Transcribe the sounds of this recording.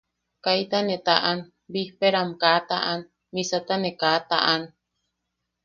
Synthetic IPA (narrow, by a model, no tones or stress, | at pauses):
kajt̪anet̪aʔan | bihpeɾamkat̪aʔan | misat̪anekat̪a̰ʔan